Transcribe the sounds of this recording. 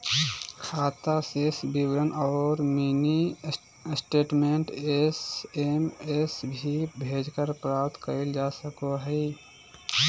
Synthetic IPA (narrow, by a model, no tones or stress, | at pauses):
kʰaːt̪asesbiwɾənɔːɾmini | sʈeːʈmeɳʈesemesbʱibʱeːd͡ʒkəɾpɾaːpt̪kəɾəld͡ʒaːsəkoɦɛɪ